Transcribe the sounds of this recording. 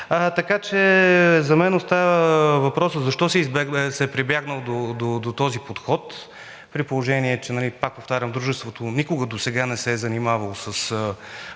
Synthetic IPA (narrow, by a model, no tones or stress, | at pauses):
ət̪ɐkat͡ʃɛzɐmɛnost̪avəvɐpɾɔsəzɐʃt̪ɔsɛizbɛsɛpɾibjaɡnəlˠd̪od̪od̪ot̪ɔzipot̪xɔt̪ | pɾipolˠoʒɛniɛt͡ʃɛnɐlipak̚poft̪aɾʲɐmd̪ɾuʒɛst̪vot̪onikʊɡəd̪osɛɡanɛsɛɛzɐnimavɐlˠsɐsə